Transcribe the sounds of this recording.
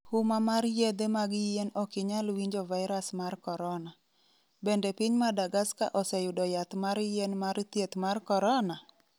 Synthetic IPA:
humamarjed̪emaɡɪjenɔkɪɲalwiɲd͡ʒɔvaɪɾasmarkɔɾɔna | bendepiɲmadaɡaska̰ʔɔsɛjʊdɔjat̪maɾjenmaɾt̪jet̪markɔɾɔna

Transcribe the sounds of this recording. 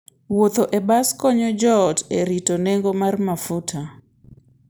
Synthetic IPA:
wot̪oʔebaskɔɲɔd͡ʒɔteɾitoneŋɡomarmafutʰa

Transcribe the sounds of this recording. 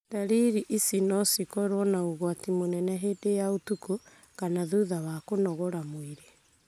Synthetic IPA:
taɾiɾiʔisinɔsikɔɾwɔnaoɣwatimonɛnɛɦeːdejaotuko | kanaðuðawakonɔɣɔɾamwiɾe

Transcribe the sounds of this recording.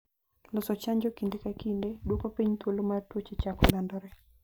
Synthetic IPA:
lɔsɔt͡ʃaɲd͡ʒɔkindekakindedwokopiɲt̪wolomatwot͡ʃet͡ʃakɔlɔndɔɾɛ

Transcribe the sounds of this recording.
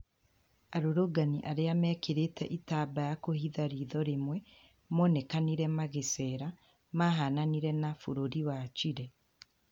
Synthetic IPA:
aɾoɾoɡaniʔaɾeamɛkeɾetɛʔitaːbajakohiðaɾiːðɔɾemwɛ | monekaniɾɛmaɣesɛɾa | maɦananiɾɛnafoɾoɾiwat͡ʃiɾɛ

